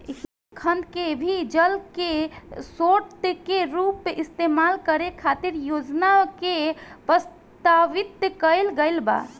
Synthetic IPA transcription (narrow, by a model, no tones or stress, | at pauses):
ɦi | kʰənd̪kebʱid͡ʒəlkesoʈt̪keɾupːeʔist̪emalkəɾekʰat̪iɾjod͡ʒnakepɾəs | t̪aʋit̪kəɪlɡəɪlba̰